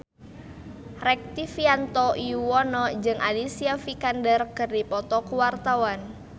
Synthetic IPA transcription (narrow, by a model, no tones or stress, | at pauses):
rɛk̚t̪ifiant̪ɔʔiuwɔnɔd͡ʒɨŋʔalisiafikandərkɨrdipɔt̪ɔkuwart̪awan